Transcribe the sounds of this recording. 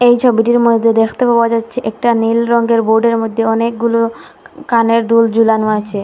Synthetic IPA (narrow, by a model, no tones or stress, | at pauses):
ejt͡ɕʰobiʈiɾmojd̪ʱːed̪ekʰt̪epaoad͡ʑatːɕʰeʔɛk̚ʈanilɾɔŋɡeɾboɾɖeɾmod̪ʱːeɔnekɡulo | kaneɾd̪uld͡ʑulanoat͡ɕʰe